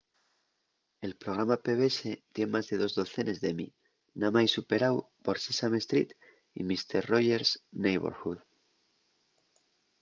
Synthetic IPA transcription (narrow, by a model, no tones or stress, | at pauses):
e̞lpɾo̞ɣ̞ɾamape̞βe̞se̞t̪je̞nmazðe̞ðo̞zðo̞θe̞ne̞zðe̞mḭ | namajsupe̞ɾawpoɾsesame̞st̪ɾḭt̪ | ḭmist̪eɾro̞ʝe̞ɾsnejβo̰ɾxuð